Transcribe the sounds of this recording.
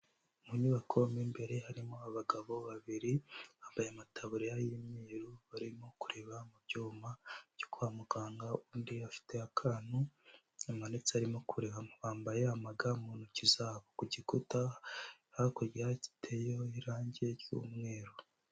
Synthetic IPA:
muɲiβakʰomimbe̞ɾe̞haɾimo̞aβaɡaβo̞βaβiɾiβaːmbajeamatʰaβuɾejajimiːɾuβaɾimo̞kuɾe̞βamubɟuːmaɟokuamuɡaːŋɡauːndiafi̥te̞akʰaːnu | amanet͡saɾimo̞kuɾeβaβaːmbaje̞amaɡamuːnhucizaːβokuɟikutahakoɟiɾaci̥tʰejo̞iɾaːɲɟe̞ɾjṵːmŋe̞ːɾo

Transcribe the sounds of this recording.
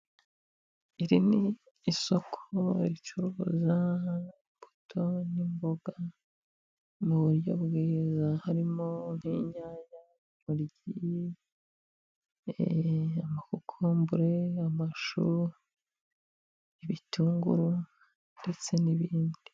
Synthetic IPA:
iɾiniː | so̞kʰoiɾit͡ʃuɾuza | mb̥u̥tʰo̞nimboɡa | muβuɾjo̞̰bɡiːzahaɾimon̥hiːɲaːɲa | muɾɟi | amakukʰombuɾe̞amaʃu | iβitʰuːŋɡṵɾu | nde̞t͡se̞niβiːndi̥

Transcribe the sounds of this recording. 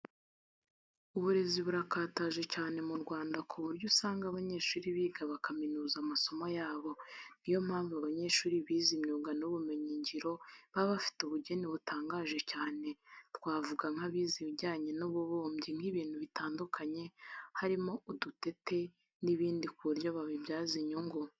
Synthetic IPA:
uβuɾe̞ziβuɾakaːtaʒe̞caːne̞muɾɡwaːndakʰuβuɾɟusaːŋɡaβaɲe̞ːʃuːɾiβiːɡaβakaminuːzamaso̞mojaːβo̞n̥ijo̞m̥haːɱvuaβaɲe̞ʃuːɾiβiːzimɲuːɡanuβume̞ɲiɲɟiɾo̞βaβafi̥tuβuɟe̞niβutaːŋɡaːʒe̞caːne̞tkwaːvuɡaŋ̥haβiːziβiɟaːɲe̞noβuβoːmbɟiŋ̥hiβiːn̥huβitaːndukʰaɲe̞haɾimo̞udute̞te̞ | niβiːndikuɾjo̞βaβibjaːziɲoŋɡo

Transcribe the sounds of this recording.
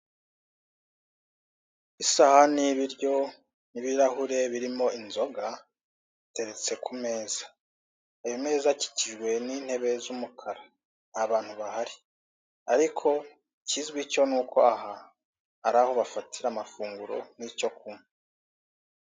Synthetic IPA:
isahaniβiɾjo̞ | niβiɾahuɾe̞βiɾimo̞inzo̞ɡa | ite̞ɾe̞t͡se̞kume̞ːzḁ | ajome̞ːzaci̥ciʒɡwe̞niːn̥he̞βe̞zumukʰaɾa | aβaːn̥huβahaɾi | aɾikʰo̞ | cizɡwico̞nuːkoaɦa | aɾaho̞βafatʰiɾamafuːŋɡuɾo̞̰nico̞k̚ume

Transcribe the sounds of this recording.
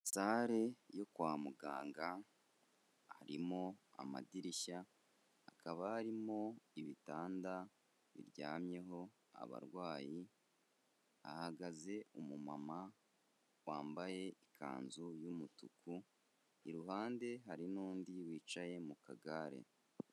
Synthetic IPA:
saːɾe̞jo̞kwaːmuɡa̰ːŋɡa | ha̰ɾimo̞a̰ma̰diɾiʃa | hakaβahaɾimo̞iβitaːnda | βḭɾɟa̰ːmɲe̞ɦo̞ | a̰βa̰ɾɡwaːji | a̰haɡaze̞umuma̰ma | waːmbaje̞ikʰa̰ːnzujumutuku | iɾuɦaːnde̞ɦaɾinuːndiwiːt͡ʃaje̞muka̰ɡaɾe̞̰

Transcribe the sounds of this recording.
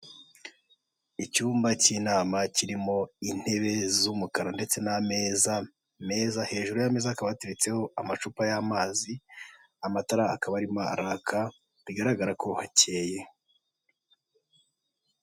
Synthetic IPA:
icuːmbaciːnaːmaciɾimo̞in̥he̞βe̞zumukaɾande̞t͡se̞name̞ːza | me̞ːzahe̞ːʒuɾujame̞zakaβateɾet͡se̞ho̞amat͡ʃupajamaːzi | amataɾaakaβaɾimaa̰ɾakʰa | βiɡaɾaɡaɾako̞hace̞ːje̞

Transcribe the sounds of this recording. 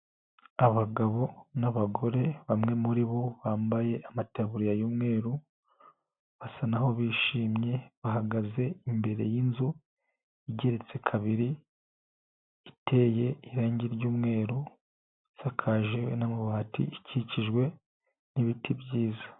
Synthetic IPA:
aβaɡaβo̞naβaɡo̞ɾe̞βamŋe̞muɾiβo̞βaːmbaje̞ʔamataβuɾijajuːmŋe̞ːɾu | βasanaho̞βiːʃiːmɲe̞βaɦaɡaze̞imbe̞ɾe̞̰jinzu | iɟe̞ɾe̞t͡se̞kʰaβiɾi | tʰe̞ːje̞iɾaːɲɟiɾɟuːmŋe̞ːɾu | sakʰaːʒewenamuβaːtḭiciciʒɡwe̞ | niβitibɟiːza

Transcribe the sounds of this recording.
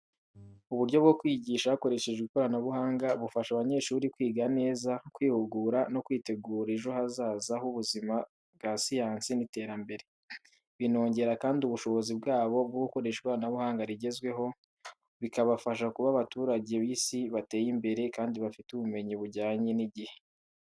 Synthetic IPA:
uβuɾɟo̞βɡokwiːɟiːʃaβako̞ɾe̞ʃe̞ʒɡikoɾanaβuhaːŋɡaβufaʃaβaɲe̞ʃuːɾikwiːɡane̞ːzakwiːhuɡuːɾano̞kwiːte̞ɡuːɾeʒo̞hazaːzahuβuzima | bɡasijaːnsinite̞ːɾambe̞ɾe̞ | βino̞ːɲɟe̞ɾakaːndiuβuʃo̞βo̞zibɡaːβo̞bɡouko̞ɾe̞ʃekoɾanaβuhaːŋɡaɾiɟe̞zɡwe̞ɦo̞ | βikaβafaʃ̬akuβaβatuːɾaɟe̞βiːsiβate̞ːjimbe̞ɾe̞kaːndiβafituβume̞ɲiβuɟaːɲe̞niɟihe̞̥

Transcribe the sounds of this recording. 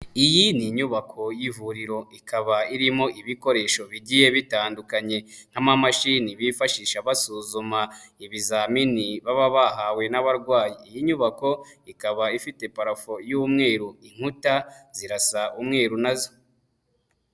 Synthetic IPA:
ijiniɲuβakʰo̞jivuɾiɾo̞ikaβaiɾimo̞ʔiβiko̞ɾe̞ːʃo̞βiɟije̞βitaːndukaɲe̞n̥hamamaʃiniβifaʃiːʃaβasuːzumaiβizaminiβaβaβaɦawe̞naβaɾɡwaːjiːjiɲuβako̞ikaβaifite̞paɾafojumŋe̞ːɾuiŋ̥hutaz̥iɾasaʔumŋe̞ːɾunazo

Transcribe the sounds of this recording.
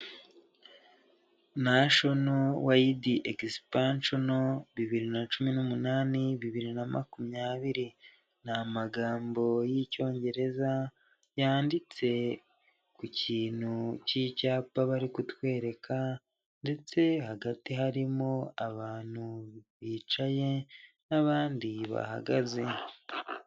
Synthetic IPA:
naʃo̞nowaidiʔeɡispant͡ʃonoβiβiɾinat͡ʃuminumunaːniβiβiɾinama̰kumɲaːβiɾi | namaɡaːmbo̞jico̞ːɲɟe̞ɾe̞za | jaːndit͡se̞ | kuciːn̥hucicaːpaβaɾikutwe̞ːɾe̞kʰa | nde̞t͡se̞haɡatiɦaɾimo̞aβaːn̥huβiːt͡ʃaje̞ | naβaːndiβa̰ha̰ɡaze

